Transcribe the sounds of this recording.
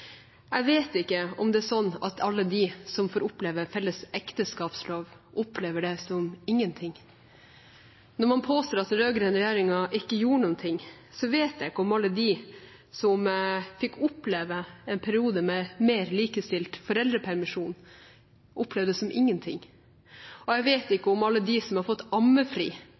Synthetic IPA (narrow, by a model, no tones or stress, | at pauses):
æɡʋeːt̪ɪkːəɔ̰md̪ɛæsɔnːɑ̰t̪ʰɑlːəd̪isɔmfoːɾʊpleːʋəfɛlːəsɛkt̪əskɑːpsloːʋʔʊpleːʋəɖɛsɔmɪŋːənt̪ʰɪŋː | nɔɾmɑnpʰoːst̪oːɾɑt̪ɾøːɡɾɛnɾɛjeːɾɪŋɑʔɪkːəjuːɾɳʊnt̪ʰɪŋː | sɔʋeːt̪jæɪkːəɔmɑlːəd̪i | sɔmfɪkːʊpleːʋəɛnpʰæɾɪuːd̪əmɛmeːɾliːkəst̪ɪlt̪fɔɾɛld̪ɾəpʰæɾmɪʂuːn | ʔʊplɛːʋd̪ɛsɔmʔɪŋːənt̪ʰɪ̰ŋː | ɔjɛɡʋeːt̪ɪkːəʊmɑlːəd̪isɔmhɑɾfɔt̪ːɑmːəfɾḭː